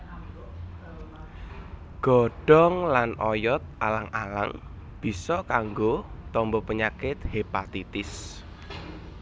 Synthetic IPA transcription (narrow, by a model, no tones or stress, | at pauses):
ɡ̥ɔ̤ɖ̥ɔŋlanɔjɔt̪̚ʔalaŋala̰ŋ | b̥i̤sɔkaŋɡot̪ɔmbɔpəɲakɪt̪hepat̪it̪ɪs